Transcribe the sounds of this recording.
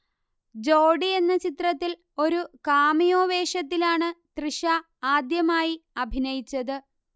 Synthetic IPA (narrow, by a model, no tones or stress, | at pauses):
d͡ʑo̞ːɖie̞nːɐt͡ɕit̪rɐt̪ːil | o̞ɾukaːmijo̞ːʋe̞ːʂɐt̪̬ːilaːɳɨt̪riʂa | aːd̪jɐmaːjiɐbʱinɐjit͡ɕːɐðɨ